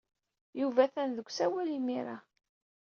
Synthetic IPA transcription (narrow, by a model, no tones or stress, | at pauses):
juvæθænðəɡʷsæwælimiɾa